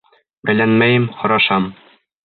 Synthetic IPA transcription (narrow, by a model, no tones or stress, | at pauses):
bæjlænmæjɘmχɒ̆ɾɑʃɑm